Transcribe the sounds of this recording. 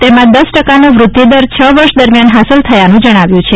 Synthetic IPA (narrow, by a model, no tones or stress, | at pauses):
t̪emãd̪əsʈəkanoʋɾʊt̪jed̪əɾt͡ʃʰəʋəɾʃd̪əɾmjanɦasəlt̪ʰəjanũd͡ʒəɽ̃aʋjũt͡ʃʰe